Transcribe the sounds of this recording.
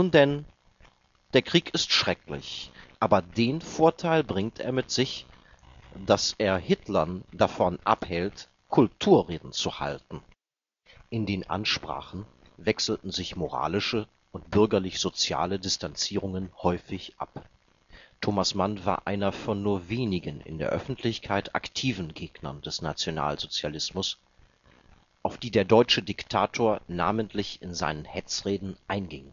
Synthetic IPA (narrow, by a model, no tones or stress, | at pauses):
nuːndɛn | d̥eːɐkʁ̥iːkɪstʃʁ̥ɛklɪ̰çʔaːbɐdeːnfoːɐtʰaɪlbʁɪŋtʰʔḛːɐmɪtz̥ɪç | d̥asʔeːɐhɪtlɐndafɔnʔa̰phɛlt | kʰʊltʰuːɐʁeːdn̩t͡suha̰ltn̩ | ʔɪndeːnʔa̰nʃpʁ̥a̰ːχn̩ | vɛksl̩tn̩zɪçmoʁa̰ːlɪʃə | ʊntb̥ʏɐɡɐlɪçz̥ot͡sja̰ːlədɪstant͡siːʁ̞ʊŋənhɔʏfɪçʔa̰p | tʰoːmasmanvaːɐʔaɪnɐfɔnːuːɐveːnɪɡənɪ̰ndḛːɐʔœfn̩tʰlɪçkʰaɪta̰ktʰiːvn̩ɡeːɡnɐ̰ndɛsnat͡sjona̰ːlzot͡sjalɪsmʊs | ʔaʊfd̥iːdeːɐdɔʏt͡ʃədɪktʰaːtʰoːɐna̰ːməntʰlɪçɪnza̰ɪnənhɛt͡sʁeːdn̩ʔaɪnɡɪŋ